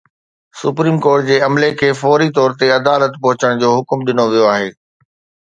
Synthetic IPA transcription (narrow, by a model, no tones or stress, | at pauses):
sʊpɾiːmkɔːɾʈd͡ʑeːɐmlekʰeːfɔːɾit̪ɔːɾt̪eɐd̪aːlət̪pɐɦʊt͡ɕəɽ̃d͡ʑoːɦʊkmɗɪnoʋijoaːɦeː